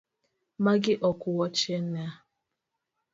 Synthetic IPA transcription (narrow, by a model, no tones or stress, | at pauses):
maɡɪʔɔkʊwɔt͡ʃea